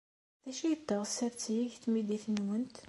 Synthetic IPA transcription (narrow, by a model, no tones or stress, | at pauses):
ðæʃijəd̪ːɑʁsːæɾt͡sːjiçθmid̪iθənwənt̪